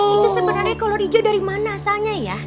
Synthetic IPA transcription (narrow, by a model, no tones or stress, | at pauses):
it̪usəbənarɲakalodid͡ʒʊdaɾimanasaɲaja